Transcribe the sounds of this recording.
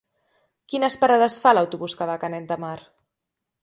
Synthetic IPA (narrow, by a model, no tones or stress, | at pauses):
kinəspaɾaðəsfalawt̪uβuskaβakanɛt̪d̪əmaɾ